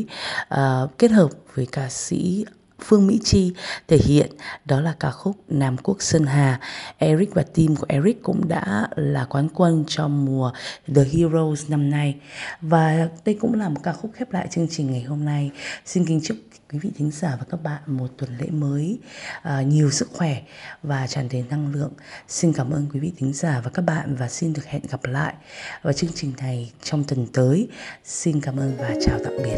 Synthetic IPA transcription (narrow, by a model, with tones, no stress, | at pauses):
ʔəː˨˩ke˦˥t̚həː˨˩p̚vəː˨˦jkaː˧sḭ˧˥ | fɨ˧əŋmḭ˧˥t͡ɕi˧t̪ʰe˧˩hḭ˧˨ənɗɔ˨˦laː˨˩kaː˧˩xʊ˦˥k͡p̚naː˨˩mku˦˥ək̚sə˧nɦaː˨˩ʔɛ˧ɹi˦˥k̚vaː˨˩t̪i˧mku˧˩əʔɛ˧ɹi˦˥kkːʊ̰˧˥ŋ͡mɗa̰ː˧˥laː˨˩kwaː˨˦nkwə˧nt͡ɕɔ˧mu˨˩əɗəː˨˩ɦi˧ɹo˧wzna˧mna˧jvaː˨˩ɗə˧jkʊ̰˧˥ŋ͡mlaː˨˩mo˨˩t̚kaː˧xʊ˦˥k͡p̚xɛ˦˥p̚la̰ː˧˨jt͡ɕɨ˧əŋt͡ɕï˨˩ŋ̟ŋa˨˩jɦo˧mna˧jsi˧nkï˧ŋ̟t͡ɕɨ˦˥k̚ | kwi˨˦vḭ˧˨t̪ʰï˨˦ŋ̟zaː˧˩vaː˨˩kaː˦˥k̚ɓa̰ː˧˨nmo˨˩t̚t̪wə˨˩nlḛ˧˥məː˨˦jʔːɲi˨˩əwsɨ˦˥k̚xwɛ˧˩vaː˨˩t͡ɕaː˧˩nt̪i˨˩nːa˧ŋlɨ̰˧˨əŋsi˧nkaː˧˩mʔəː˧nkwi˨˦vḭ˧˨t̪ʰï˨˦ŋ̟zaː˧˩vaː˨˩kaː˦˥k̚ɓa̰ː˧˨nvaː˨˩si˧nɗɨ˨˩ək̚hɛ̰˧˨nɣa˨˩p̚la̰ː˧˨jʔvaː˨˩t͡ɕɨ˧əŋt͡ɕï˨˩ŋ̟na˨˩jt͡ɕɔ˧wŋ͡mt̪wə˨˩nt̪əː˨˦jsi˧nkaː˧˩mʔəː˧nvaː˨˩t͡ɕaː˨˩wt̪a̰ː˧˨k̚ɓi˨˩ət̚